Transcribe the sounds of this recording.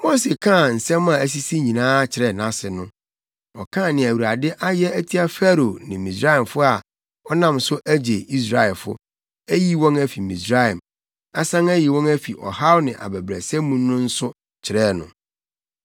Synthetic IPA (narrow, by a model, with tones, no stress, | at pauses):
mo˦se˨kʰã˦˨n̩˨sɛ̃˦mã˨æ˦s̬i˦si˦ɲĩ˨nãː˦t͡ɕʰɪ˨ɾɛ˨nã˦sɪ˨nʊ̃˦ | ɔ˨kʰã˦˨nɪ̃˨æ˨wu˨ɾa˨dɪ˦ʔa˦jɛ˦æ˦tʰi˦a˦fæ˦ɾo˨nɪ̃˨mĩ˨sɾa˦ɛ˨mfʊ˦a˨ | ɔ˦nã˦msʊ˦ʔæ˦d͡ʑe˨i˦s̬ɾa˨ɛ˨lfʊ̰˦ | æ˦ji˦wɔ̃˦næ˦fi˨mĩ˨sɾa˦ɛ˨m | a˦sã˦ŋæ˦ji˨wɔ̃˦næ˦fi˨ʔɔ̰˨ha˦wnɪ̃˨ʔa̰˨bæ˨bɾæ˨sɛ̃˦mũː˦ʊ̃˦n̩˦sʊ˦ | t͡ɕʰɪ˨ɾɛː˦˨nʊ̰̃˨